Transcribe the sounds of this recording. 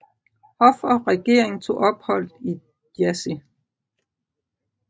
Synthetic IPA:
hɒ̽fɒʁɛɡ̥e̝ɐ̰e̝ŋt͡sʰo̝̰ːɒ̽b̥hɒ̽l̰d̥i̥ | jæsi

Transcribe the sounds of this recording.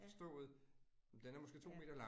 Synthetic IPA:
sd̥ɔ̰̽ːð̩ˠd̥enæɐmɒ̽sɡ̥e̝ːt͡sʰo̝̰ːme̝ːd̥ɐlɑ̈

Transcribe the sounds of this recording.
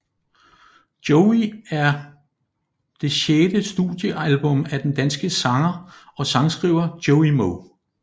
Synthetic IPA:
d̥joʊiæɐ | d̥e̝ɕeːd̥əsd̥ṵd̥jəʔælb̥ɔ̽mæd̥end̥ænsɡ̥əsɑ̈ŋɐɒ̽sɑ̈ŋsɡ̥ʁḭʊɐd̥joʊimoʊ

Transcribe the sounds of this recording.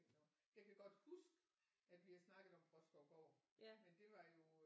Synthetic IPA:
nɔ | jakʰæɡ̥ɒ̽d̥husɡ̥ | æd̥ʋihæsnɑ̈ɡ̥əð̩ˠɒ̽mfʁɒ̽sɡ̥ɒɡ̥ɒ̰ːmend̥e̝ʋɑ̈jo̝

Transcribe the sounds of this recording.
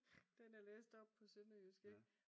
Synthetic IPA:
d̥enæɐleːsd̥ɒ̽b̥̚pʰɒ̽senəjysɡ̥eŋ

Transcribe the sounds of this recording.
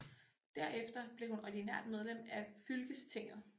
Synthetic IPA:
d̥æɐ̰efd̥ɐb̥le̝hunɒɐd̥inæɐ̰d̥með̞ˠlem̰æfylɡ̥əst͡sʰe̝ŋ̰ð̩ˠ

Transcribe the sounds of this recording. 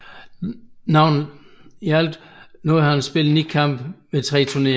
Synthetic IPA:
nɑ̈ʊ̰niæl̰d̥nɔð̩ˠhɑnsb̥e̝l̰d̥nid̥kʰɑ̈m̰b̥ʋet͡sʰʁɛ̰ːt͡sʰune̝ː

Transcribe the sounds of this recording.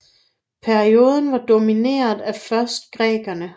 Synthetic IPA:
pʰæɐio̝ːð̞ˠən̩ʋɑ̈d̥o̝mine̝̰ːɐðˠæfɶɐsd̥̚ɡ̥ʁɛ̰ːɡ̥ɐnə

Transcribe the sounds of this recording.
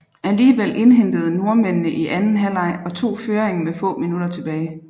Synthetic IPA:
ʔæliːʋel̰ʔe̝nɦen̰d̥əð̞ˠno̝ɐmennəʔiʔænn̩ɦælɑ̈ɪɒ̽t͡sʰo̝̰ːføːʁeŋmefɔ̰̽ːminud̥ɐt͡sʰe̝b̥ɛːɪ

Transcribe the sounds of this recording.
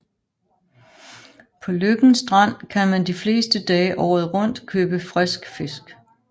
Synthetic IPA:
pʰɒ̽løɡ̥n̩sd̥ʁɑn̰kʰænmænd̥ifle̝ːsd̥əd̥ɛːɪʔɒːð̩ˠʁɔ̽n̰d̥kʰøːb̥əfʁɛsɡ̥fe̝sɡ̥

